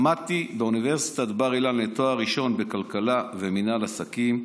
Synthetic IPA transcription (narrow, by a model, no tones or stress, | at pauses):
mat̪ibeunive̞ʁsi̥t̪ad̪baʁilanlet̪oaʁiʃo̞nbe̞kalkalaveminalasakim